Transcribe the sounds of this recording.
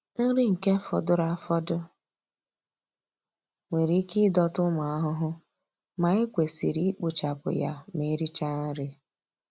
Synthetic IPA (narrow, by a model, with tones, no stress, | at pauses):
n̩˦ɾi˦ŋ̩˨ke˦fɔ̰˨dʊ˦ɾa˦fɔ˦dʊ˦ | ŋʷe˨ɾi˦ki˦dɔ˦tʊ˦ma˨a˦ɦʊ˦ɦʊ˦ | ma˨e˦kʷe˨sḭ˨ɾi˦k͡pu˨t͡ʃa˨pʊ̰˨ja̰˦me˨˦ɾi˦t͡ʃa˦n̩˦ɾɪ˦